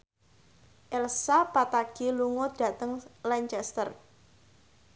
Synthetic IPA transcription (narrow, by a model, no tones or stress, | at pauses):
ʔɛlsapat̪aɡ̥eluŋʊd̥a̤t̪əŋlaɲt͡ʃɛst̪ər